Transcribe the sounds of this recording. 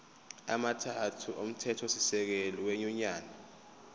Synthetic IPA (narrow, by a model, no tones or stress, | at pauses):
a̰matʰatʰuʔom̩tʰɛtʰɔsisɛk̬eliweɲuɲaːna